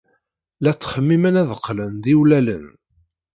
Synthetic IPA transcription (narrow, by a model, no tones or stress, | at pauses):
læt͡sːχəmːimənæðəqːlənðiwlælə̰n